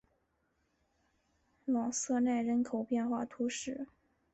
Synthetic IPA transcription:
lɑ˨˩ŋsɤ˥˧na˥˩ɪɻə˧˥nkʰo˨˩ʊpjɛ˥˧nxwa˥˩t̪ʰu˧˥ʂɻ̩˥˩

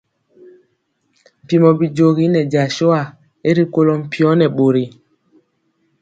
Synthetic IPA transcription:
m̩˨pi˨mɔ˨bi˨d͡ʒo˨ɣi˦nɛ˨d͡ʒa˨ʃo˦a˨ | e˦ɾi˦ko˦lɔ˦m̩˨pi˦ɔ˦nɛ˨ɓo˨ɾi˨

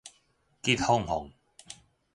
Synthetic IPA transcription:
ki˥t̪̚hʊ˥˨ŋɦʊ̰˨˩ŋ

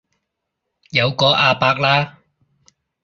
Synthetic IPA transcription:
jɐ˨˧wkɔː˨˧˥ʔaː˧paː˧k̚laː˥

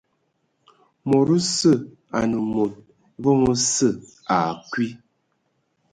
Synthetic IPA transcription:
mɔ˨ɾu˦sə˦˨ | a̰˨nə˨mo˨t̚ | vɔ˦ŋə˦sə˦˨ | a˨kwi˦

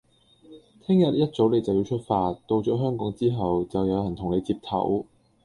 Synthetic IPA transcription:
t̪ʰɪ˥ŋjɐ˨t̚jɐ˥t̚t͡so˨˥wle˨jt͡sɐ˨wji˨˧wt͡ʃʰɵ˥t̚faː˧t̚t̪o˧wt͡ʃɔː˨˥ɦœː˥ŋkɔː˨˥ŋt͡siː˥ɦɐ˨wt͡sɐ˨wjɐ˨˧wjɐ˨˩nt̪ʰʊ˨˩ŋle˨˧jt͡siː˧p̚t̪ʰɐ̰˨˥w

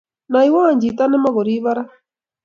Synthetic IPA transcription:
naiwa˦˨ɲd͡ʒi˨t̪a˦nɛ˦ma˦ɣɔɾiβa˦ɾa˦

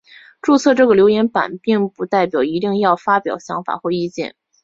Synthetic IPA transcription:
ʈ͡ʂu˥˧t͡sʰɤ˥˧ʈ͡ʂɤ˥˩ɡə˩ljo˧˥ʊjɛ˧˥npa̰˨˩npi˥˩ŋpu˧˥t̪a˥˩ɪpjɑ˨˩ʊi˧˥t̪i˥˧ŋjɑ˥˩ʊfa˥pjɑ˨˩ʊɕjɑ˧˥ŋfa̰˨˩xwɔ˥˧i˥˧t͡ɕjɛ̰˥˩n

